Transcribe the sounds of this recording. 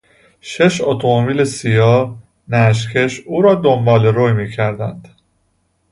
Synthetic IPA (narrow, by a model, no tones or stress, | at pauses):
ʃeʃot̪ʰomobiːlesijɒː | næʃ̬cʰeʃuːɾɒːd̪ombɒːleɾojmiːcʰæɾd̪ænd̪̥